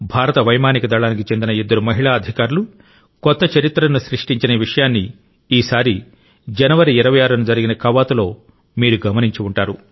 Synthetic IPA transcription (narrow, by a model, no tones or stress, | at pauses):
bʱaːɾɐt̪ɐʋɐjmaːnikɐd̪ɐɭaːnik̬it͡ʃend̪inɐed̪ːɐɾumɐɦiɭaːɐd̪ʱikaːɾulu | kɔt̪ːɐt͡ʃɐɾit̪ːɾɐnuʃɾiʂʈiɲt͡ʃineʋiʂɐjaːnːi | iːsaːɾi | d͡ʒɐnɐʋɐɾiːɾɐʋɐjaːɾɐnud͡ʒɐɾiɡinɐkɐʋaːt̪ulo̞ː | miːɾuɡɐmɐniɲt͡ʃiuɳʈaːɾu